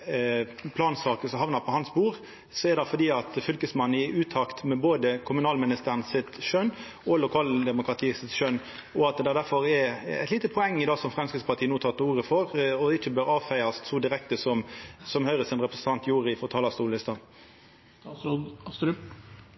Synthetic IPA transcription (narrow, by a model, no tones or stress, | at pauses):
pʰlɑːnsɑːkəsɔhɑʋnɑpʰɔhɑnsbuːɾ | sɔɛɾd̪ɑfɔd̪iːɑt̪fʏlkəsmɑnːəɪʉːt̪ʰɑkt̪mɛboːd̪əkʰʊmʉnɑːlmɪnɪst̪ənsɪt̪ʃøn | ɔlʊkʰɑːld̪ɛmʊkɾʁɑt̪ʰiːsɪt̪ʃøn | ɔɑt̪̚d̪ɛd̪æɾfɔɾɛɾæ̰ɪt̪liːt̪əpʰɔɛŋːɪd̪ɑːsɔmfɾɛmskɾɪt̪spʰɑɾt̪iːənuːt̪ʰɑːt̪əuːɾəfɔɾɔɪçːəbøɾɑːʋfæɪɑst̪suːd̪ɪɾɛk̚t̪əsɔmsɔmhœʏɾəsɪnɾɛpɾɛsən̩t̪ɑnt̪juːɾɪfɔɾt̪ʰɑːlɑst̪uːlɪst̪ɑn